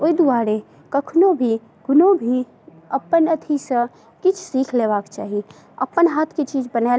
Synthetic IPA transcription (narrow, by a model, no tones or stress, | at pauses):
oid̪uaɾe | kəkʰnobʱi | ɡʊnobʱi | əpːənət̪ʰisə̃ | kit͡ʃʰsikʰleβakt͡ʃa̰ɦi | əpːənɦat̪ʰket͡ʃid͡ʒbəna